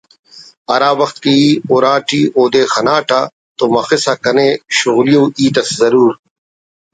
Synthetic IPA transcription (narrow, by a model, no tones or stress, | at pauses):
ɐɾaːbɐxt̪̚kiiːoːɾaːʈiːʔoːd̪eːxɐnaːʈaː | t̪omɐxisakɐneɕʊɣlijõːʔiːt̪ɐszɐɾuːɾ